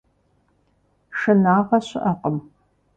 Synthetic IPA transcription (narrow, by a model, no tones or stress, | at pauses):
ʂɨnaːʁɐɕɪ̰ʔɐqəm